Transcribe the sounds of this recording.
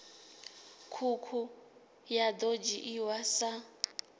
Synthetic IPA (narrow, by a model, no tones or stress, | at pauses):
kʰukʰu | jad̪od͡ʒiʔiwasa